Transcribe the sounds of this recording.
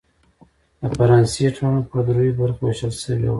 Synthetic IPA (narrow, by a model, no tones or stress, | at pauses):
əfaɾɑnsiʈʰanpəd̪ɾujibaɾxweʃəlʃəwḛw